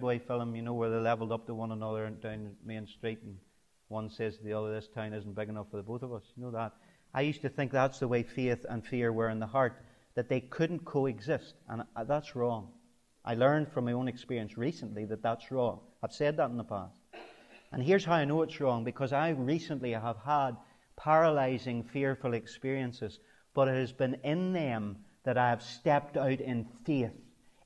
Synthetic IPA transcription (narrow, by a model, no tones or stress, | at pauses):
bɔɪfɛlˠə̃mjɨnoʊwə˞ðelɛvl̩ˠdʌp̚tʰəwʌ̃nənʌðə˞dãʊ̃nmiɨ̃nstɹ̥itn̩ | wʌ̃nsɛz̚ðiʌðə˞ðɪstʰãɪ̃nɪzn̩b̥ɪɡɨnʌfə˞ðəboθʌvʌsjənoʊðət̚ | ʔaɪjʉstɨθɪ̃ŋk̚ðətsðəweɪfeθə̰̃nfɪɹwə˞ɨ̃nðəɦaɹt̪̚ | ðɨt̪̚ðeɪkʰʊdⁿn̩kʰoɨɡzɪstʔə̰̃nðatsɹɔ̃ŋ | ʔa̰ɪlˠɜ̃˞nd̥fɹʌ̃maɪõnɨkspɪɹiɨ̃nsɹisə̃nʔliðɨt̪̚ðætsɹɔ̃ŋaɪv̥sɛd̪̚ðəɾn̩ðəpʰa̰st | ʔə̃nɦiɹz̥ɦaʊaɪnoʊɨtsɹɔ̃ŋbɨkʰʌzaɪɹisə̃nʔliəv̥əd̚ | pʰɛɹəlaɪzɪ̃ŋfɪɹfl̩ˠɨkspɪɹiɨ̃nsɨz | b̥ʌɾɨt̚hɨzbɨ̃nɪ̃nðɨ̃mðɨɾaɪɨv̥stɛp̚taʊɾɪ̃nfeθ